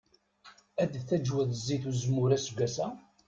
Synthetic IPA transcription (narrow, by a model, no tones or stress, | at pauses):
æd̪θæd͡ʒwəðzːiθuzmʊɾæsɡʷæsæ